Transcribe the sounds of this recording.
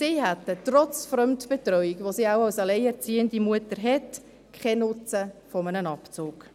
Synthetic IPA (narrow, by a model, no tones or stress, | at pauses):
siːhætətɾɔt͡sfɾœmtb̥etɾœʏikʋosiːawɑwsɑlɛɪɛɾt͡siːəndimuətəɾɦɛt | kχɛnʊt͡səfɔmənənɑpt͡sʊːk